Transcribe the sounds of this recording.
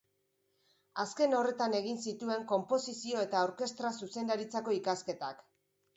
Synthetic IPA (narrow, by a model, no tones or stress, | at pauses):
aske̞no̞re̞t̪ane̞ɣinsit̪ue̞ŋko̞mpo̞sisio̞e̞t̪aowɾke̞st̪ɾasuse̞nd̪aɾit͡sako̞ikaske̞t̪ak